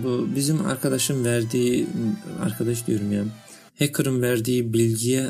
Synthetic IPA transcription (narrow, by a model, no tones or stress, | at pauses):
bubizima̰ɾkʰad̪aʃɯmvæɾd̪iː | a̰ɾkʰad̪aʃ̬d̪yjyɾmyjam | hɛkʰɯɾɯmvæɾd̪iːblilʲɡijɛ